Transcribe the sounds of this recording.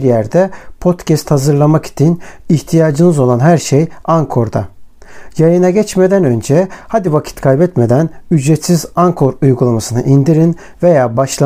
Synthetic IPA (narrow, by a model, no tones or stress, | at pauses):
ɾjæɾd̪ɛpʰo̞t̪cɛst̪hazɯɾlˠamaki̥t͡ʃ̪ʰiniçt̪ʰijaːd͡ʒɯnɯzo̞lˠanɦæɾʃejaŋkʰo̞ɾd̪a̰ | jajɯnaɟɛt͡ʃme̞d̪ænø̞nd͡ʒɛhad̪ivacʰi̥t̪kʰalbɛt̪me̞d̪ænyd͡ʒɾɛt̪sizaŋkʰo̞ɾujɡulˠamasɯnɯ̰ʔind̪iɾin | ve̞jaːbaʃlˠa